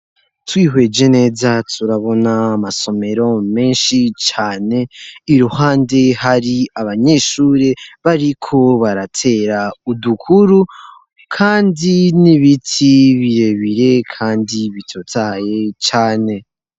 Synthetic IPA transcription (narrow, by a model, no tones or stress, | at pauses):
twiːɦwe̞ːd͡ʒe̞ne̞ːzatʰuɾaβo̞naːmaso̞me̞ɾo̞me̞ːnʃit͡ʃaːne̞iɾuhaːnde̞haɾiaβaɲe̞ʃuːɾe̞βaɾikʰo̞βaɾatʰe̞ːɾaudukʰuɾu | kʰaːndiniβitʰiβiɾe̞βiɾe̞kʰaːndiβitʰotʰaje̞t͡ʃaːne̞